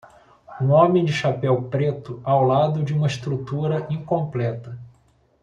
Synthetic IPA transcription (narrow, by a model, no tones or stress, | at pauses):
ũõmẽj̃d͡ʒɪʃapɛwpɾet̪ʊawlad̪ʊd͡ʒɪũmɐɪst̪ɾut̪uɾɐʔĩŋkõmplɛt̪ɐ